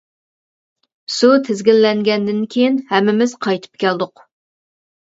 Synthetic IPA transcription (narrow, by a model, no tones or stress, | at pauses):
sut̪ʰɪzɡʲɪlːɛŋɡʲɛnd̪ɪnkʲʰejinhɛmːɪmɪz̥qʰɑjt̪ʰɨ̥p̚kʲæld̪ʊq